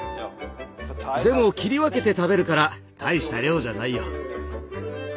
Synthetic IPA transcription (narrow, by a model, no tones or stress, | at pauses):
d̪e̞mo̞kʲiɾʲiβake̞t̪e̞t̪abe̞ɾɯ̟kaɾa | t̪ʰaiɕi̥t̪aɾʲjo̞ːd͡ʑanaijo̰